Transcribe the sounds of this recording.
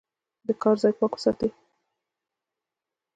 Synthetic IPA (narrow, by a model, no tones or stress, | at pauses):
d̪əkɑɾzɑjpɑko̥sɑt̪e